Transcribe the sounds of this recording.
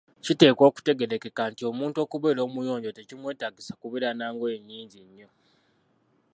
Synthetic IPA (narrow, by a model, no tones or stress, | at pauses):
cite̞ːkwo̞ːku̥te̞ɡe̞ɾe̞ke̞kaːntio̞muːnto̞ːkuβe̞ːɾo̞ːmujo̞ːɲɟote̞cimwe̞ːtaɡisakuβiɾanaːŋɡoeɲːiːɲɟiɲːo̞